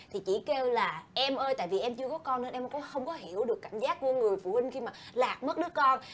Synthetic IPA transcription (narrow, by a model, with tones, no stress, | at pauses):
t̪ʰi˨˩t͡ɕḭ˧˩ke˧wlaː˨˩ʔɛ˧mʔəː˧jt̪a̰ː˧˨jvi˨˩ʔɛ˧mt͡ɕɨ˧əkɔ˨˦kɔ˧nlɨ̰˧˦nʔɛ˧m˨˩kɔ˨˦xə˧wŋ͡mkɔ˨˦ɦi˧˩əwɗɨ˨˩əkːa̰˧˩ŋ̟zaː˦˥t̚ku˧˩˦əŋɨ˨˩əjfṵ˧˩˨hï˧ŋ̟xi˧maː˨˩laː˨˩k̚mə˦˥t̚ɗɨ˦˥ək̚kɔ˧n